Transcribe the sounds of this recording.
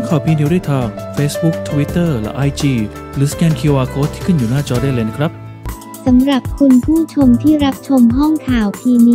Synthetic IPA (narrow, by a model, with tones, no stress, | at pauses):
ŋkʰaː˨˩wpʰiː˧ni˦˥du˥˩jt̪ʰaː˧ŋfeː˦˥sbu˦˥k̚t̪ʰwi˦˥t̪ːɤː˥˩lɛ̰˦˥ʔa˧jt͡ɕiː˧ | ɾɯː˨˦skɛː˧nkʰi˧waː˧kʰoː˦˥t̪ʰːiː˥˩kʰɯ˥˩njuː˨˩naː˥˩t͡ɕɔː˧da˥˩le˧n˥kʰɾa˦˥p̚ | sa˩˦mɾa˨˩p̚kʰu˧npʰuː˥˩t͡ɕʰo˧mt̪ʰiː˥˩ɾa˦˥p̚t͡ɕʰo˧mɦɔ˥˩ŋkʰaː˨˩wpʰiː˧niː˧